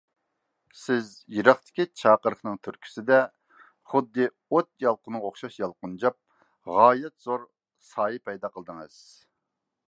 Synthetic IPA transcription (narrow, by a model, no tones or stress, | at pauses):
sɪzjiɾɑχt̪ʰɪ̥kʲit͡ʃʰɑːqəɾəχnɨŋt̪ʰyɾkʲʰy̥sɪd̪ɛ | χʊd̪ːɨ | ot̪̚jɑlˠqʊnɨoχʃɑʃjɑlˠqʊnd͡ʒɑp̚ | ʁɑːjɛt̪z̥oɾ | sɑːipɛjd̪ɑqəlˠd̪ɨŋɨz̥